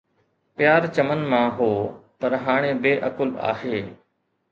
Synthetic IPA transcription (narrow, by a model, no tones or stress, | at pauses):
pɪjaːɾt͡ʃəmənmãːɦoːpəɾɦaːɽ̃ẽːbeːʔəkʊla̰ːheː